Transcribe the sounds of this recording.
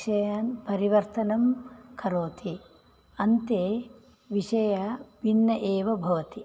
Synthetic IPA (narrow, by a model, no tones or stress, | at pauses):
ʃɐjaːnpɐɾiʋɐɾt̪ɐnɐmkʰɐɾoːt̪ʰi | ɐnt̪eː | ʋiʂɐjɐʋinːɐʔeːʋɐbʱɐʋɐt̪i